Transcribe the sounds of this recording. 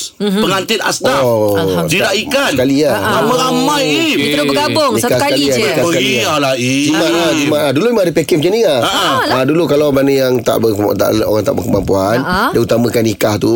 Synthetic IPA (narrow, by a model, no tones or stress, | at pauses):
pəŋant̪ɪt̪a̰sta | dinaʔikasnkaliaaməɾamajiəobəɡabʊŋikasəkaliakasskaialaid͡ʒimaad͡ʒimaaduluimadəpɛkɛmt͡ʃiniaaadulukalawbɾanəjaŋt̪a̰ʔbət̪a̰ʔlʔo̰ɣaŋt̪a̰ʔbəkəmampuandaut̪amə̃kanikaht̪u